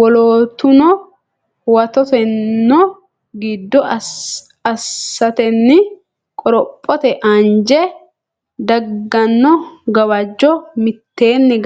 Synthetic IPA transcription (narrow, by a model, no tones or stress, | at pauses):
wɔloːt̪ːʊnɔ | wɐt̪ɔt̪ɛnːɔ | ɡiːd̪ːɔ | ɐsːɐt̪ɛnːɪ | kʼɔɾɔpʼːɔt̪ɛʔɐnd͡ʒɛ | d̪ɐɡːɐnːɔɡɐwɐd͡ʒːɔmɪt̪ːeːnːɪ